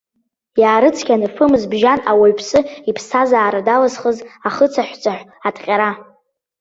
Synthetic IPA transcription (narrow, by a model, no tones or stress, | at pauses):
jaːɾɨt͡sʰkʲʰʼanɨfɨmɨzbʒanawaɥpʰsʼɨipʰsʰazaːɾadalɨzχəzaχət͡sʰaħʷt͡sʷʼaħʷatʼqʲʼaɾa